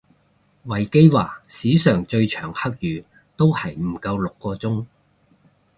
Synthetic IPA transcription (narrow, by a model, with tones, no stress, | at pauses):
wɐ˨˩jke˥jwaː˨˩siː˨˥sœː˨˩ŋt͡ʃɵ˧ɥt͡ʃʰœː˨˩ŋhɐ˥k̚jyː˨˧ | t̪o˥whɐ˨jm̩˨˩kɐ˧wlʊ˨kːɔː˧t͡sʊ˥ŋ